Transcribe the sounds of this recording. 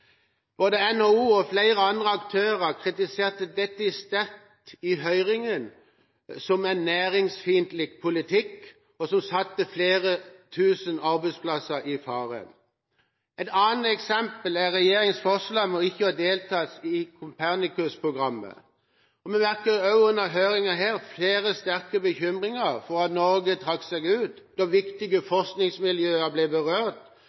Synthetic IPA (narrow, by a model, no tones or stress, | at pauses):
b̥oːd̪əɛnhoːuːɔflæɪʁəɑnd̪ʁəɑkt̪ʰøːʁəkʰʁɪt̪ɪseːʁt̪əd̪ɛt̪ːəɪst̪ɛʁt̪ɪɦœʏʁɪŋən | sɔmɛnːæːʁɪŋsfiːənt̪lɪɡ̚pʰʊlɪt̪ʰɪkː | ɔsɔmsɑt̪ːəfleːʁət̪ʰʉːsənɑʁbɛɪspʰlɑsəɾɪfɑːʁə̰n | ɛt̪ɑːnt̪ɛksɛmpəlæʁɛjeːɾɪŋsfɔʁʂlɑmɔɪçːəɑd̪eːlt̪ʰɑːsɪkʰʊmpʰæʁnɪkʉspʰʁʊɡʁɑmːə̰ | ɔmɛmæʁkəɾɑʉʉnəɦøːɾɪŋəɦeːʁfleːɾəst̪æʁkəbəçʏmʁɪŋəfɔɾɑt̪nɔɾɡət̪ʰɾɑksɛɡʉːt̪ | d̪̥ɔʋɪkt̪ɪɡəfɔʁsknɪŋsmɪljøːəblɛbəʁøːʁt̪